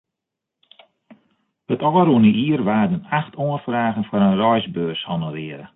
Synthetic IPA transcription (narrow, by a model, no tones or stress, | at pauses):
ətɔːəɾuənəʔiːərʋaːdənaxtʰoənfraːɣənfaɾənrɔjzbøːshɔnərɪəɾə